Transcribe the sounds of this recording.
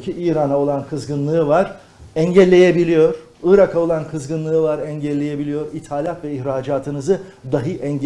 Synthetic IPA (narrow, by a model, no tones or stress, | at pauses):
cʰiʔiːɾanao̞lˠankʰɯzɡɯnlˠɯɯvaɾ | ɛɲɟɛlʲːe̞jebilʲijo̞ɾ̥ | ɯːɾakʰao̞lˠankʰɯzɡɯnlˠɯɯvaɾɛɲɟɛlʲːeje̞bilʲijo̞ɾit̪ʰaːlʲat̪vɛiçɾaːd͡ʒaːt̪ʰɯnɯzɯd̪aɦɯʔɛɲɟ